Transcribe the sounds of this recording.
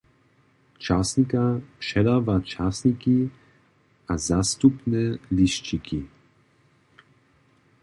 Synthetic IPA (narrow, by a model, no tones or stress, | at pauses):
t͡ʃaːsnikapʂɛdaːvat͡ʃaːsniki | ʔazast̪upnɛliʃt͡ʃiki